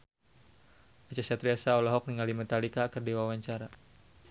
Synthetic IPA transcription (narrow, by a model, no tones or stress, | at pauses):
at͡ʃasat̪ɾiasaɔlɔɦɔk̚niŋalimɛt̪alikakərdiwawaɲt͡ʃaɾa